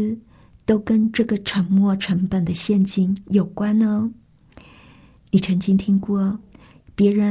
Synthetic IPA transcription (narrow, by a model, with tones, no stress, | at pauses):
t̪o˥ʊkə˥nʈ͡ʂɤ˥˩ɡə˩ʈ͡ʂʰə˧˥ŋmwɔ˥˩ʈ͡ʂʰə˧˥ŋpə˨˩nd̪ə˦ɕjɛ˥˧nt͡ɕi˥˩njo˨˩ʊkwa˥nnə˧ | ni˨˩ʈ͡ʂʰɤ˧˥ŋt͡ɕi˥ŋt̪ʰi˥ŋkwɔ˥˩ | pjɛ˧˥ɻə˧˥